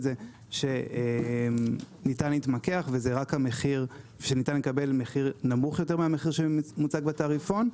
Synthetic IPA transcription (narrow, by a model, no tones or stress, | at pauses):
ze | ʃe̞e | nitanlitmake̞aχvezeʁakhameχiʁ | ʃenitanlekabe̞lmeχiʁnamuχjote̞ʁmeameχiʁʃemut͡saɡbetaʁifon